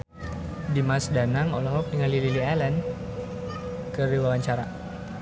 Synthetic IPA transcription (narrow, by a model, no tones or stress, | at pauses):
dimasdanaŋɔlɔɦɔk̚diŋalililialɛn | kəriwawaɲt͡ʃaɾa̰